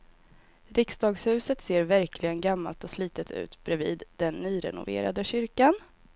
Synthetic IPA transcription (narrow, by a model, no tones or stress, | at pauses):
ɾɪksd̪ɑːɡshʉ̟ːsət̪seːɾvæɾklɪɡənɡamːa̰lt̪ɔsliːt̪ət̪ʰʉ̟̰ːt̪b̥ɾɛviːd̪d̪ɛnːyːɾɛ̰nʊ̰vḛːɾa̰d̪əɕʏɾkan